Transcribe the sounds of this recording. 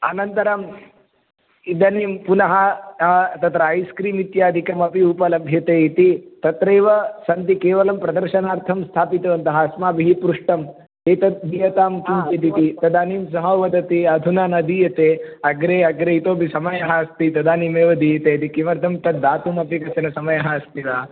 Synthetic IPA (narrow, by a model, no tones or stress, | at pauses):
ɐnɐnt̪ɐɾaːm | id̪ɐniːmpunɐɦɐ | t̪ɐt̪ɾaːjskɾiːmit̪jaːd̪ʱikɐmɐpiupɐlɐbʱjɐt̪eːit̪it̪ɐt̪ɾeːʋɐsɐnt̪ikeːʋɐlɐmpɾɐd̪ɐɾʃɐnaːɾt̪ʰɐmst̪ʰaːpit̪ɐʋɐnt̪ɐɦɐɐsmaːbiɦipɾuʂʈɐm | t̪eːt̪ɐt̪̚d̪iːjɐt̪aːmkimt͡ʃit̪it̪it̪ɐd̪aːniːms̬ɐɦɐwʋɐd̪ɐt̪iɐd̪ʱunaːnɐd̪ijɐt̪eːɐɡɾeːɐɡɾeːit̪oːbʱisɐmɐjɐɦɐɐst̪it̪ɐd̪aːniːmeːʋɐd̪ijɐt̪eːt̪ikiʋɐɾt̪ʰɐmt̪ɐd̪aːt̪umɐpikɐsɐnɐsɐmɐjɐɦɐɐst̪iʋaː